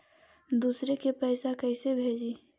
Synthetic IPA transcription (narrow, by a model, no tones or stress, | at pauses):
d̪uːsɾekepɛɪsakəɪsebʱeːd͡ʒiː